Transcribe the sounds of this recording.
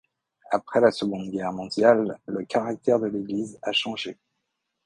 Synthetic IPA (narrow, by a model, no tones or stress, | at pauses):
apχɛlasəɡɔ̃d̪ɡʲɛʁmɔ̃d̪jalːəkaʁak̚t̪ɛʁd̪əleɡlizaʃɑ̃ʒe